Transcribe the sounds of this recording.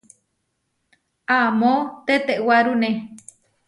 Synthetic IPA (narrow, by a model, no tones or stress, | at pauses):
amot̪et̪eʔwaɾune